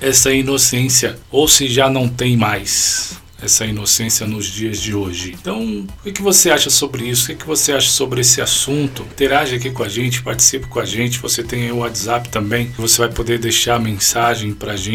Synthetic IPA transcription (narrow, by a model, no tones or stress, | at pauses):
ɛsɐinosẽsiɐowsɪʒanɐ̃w̃t̪ẽj̃majs | ɛsɐinosẽsiɐnʊzd͡ʒiɐzd͡ʒɪoʒɪ̃t̪ɐ̃w̃ʊkɪkɪvoseaʃɐsobɾɪisʊ̥kɪkɪvoseaʃɐ̥sobɾɪesɪasũnt̪ʊĩt̪eɾaʒɪak̬ikõaʒẽnt͡ʃɪ̥paɾt͡ʃi̥sipɪ̥kõaʒẽnt͡ʃɪvoset̪ẽj̃ɐĩʊat̪zapɪ̥t̪ɐ̃mbẽj̃vosevajpod̪eɾd̪ejʃaɾmẽsaʒẽj̃pɾɐʒẽ